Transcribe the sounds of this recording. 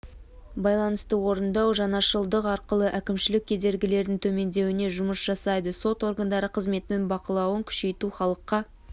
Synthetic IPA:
bɑjlˠɑnəst̪əwo̞ɾənd̪ɑwʒɑnɑʃəlˠd̪əqɑɾqəlˠəʔækʲɪmʃɪlɪkʲʰːe̞d̪e̞ɾɡʲɪle̞ɾd̪ɪŋt̪ʰɵme̞nd̪e̞wɪne̞ʒʊməsʒ̥ɑsɑjd̪əso̞t̪o̞ɾɡənd̪ɑɾəqʰəzme̞t̪ɪnɪŋbɑqəlˠɑwəŋkʲʰʏ̥ʃe̞jt̪uχɑlˠəqːɑ

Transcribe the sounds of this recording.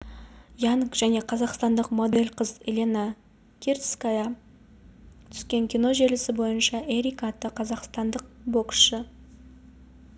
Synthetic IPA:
jɑnkʒ̥æne̞qʰɑzɑqst̪ɑnd̪əqmo̞d̪e̞lʲqʰəzelʲena | kʲʰert̪skaja | t̪ʰʏ̥skʲe̞ŋkʲijno̞ʒe̞lɪsɪbo̞jənʃɑʔeɾikat̪ːəqʰɑzɑqst̪ɑnd̪əq̚bo̞ksʃə

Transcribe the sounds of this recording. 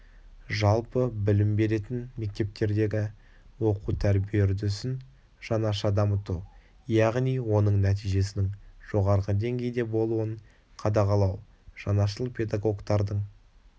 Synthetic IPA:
ʒɑlˠpəbɪlɪmbe̞ɾe̞t̪ɪnme̞k̚t̪e̞p̚t̪e̞ɾd̪e̞ɡʲɪ | wo̞qut̪ʰæɾbijeɾd̪ʏsɪn | ʒ̥ɑnɑʃɑd̪ɑmət̪u | jɑʁnijwo̞nəɴnæt̪̬ijʒe̞s̬ɪnɪŋʒo̞ʁɑɾʁəd̪e̞ŋɡʲe̞jd̪e̞bo̞lˠuəɴ | qʰɑd̪ɑʁɑlˠɑw | ʒ̥ɑnɑʃəlˠpʰe̞d̪ɑɡo̞ɡt̪ɑɾd̪əɴ

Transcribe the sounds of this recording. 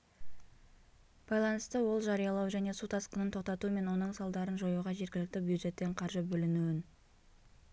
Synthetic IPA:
b̥ɑjlˠɑnəst̪əwo̞lˠʒɑɾijɑlˠɑwʒæne̞sut̪ʰɑsqənənt̪ʰo̞q̚t̪ɑt̪uəme̞nwo̞nəɴsɑlˠd̪ɑɾənʒo̞juʁɑʒe̞ɾɡʲɪlɪk̚t̪ɪbjud̪ʒe̞t̪ːe̞ɴqʰɑɾʒəbɵlɪnuwɪn

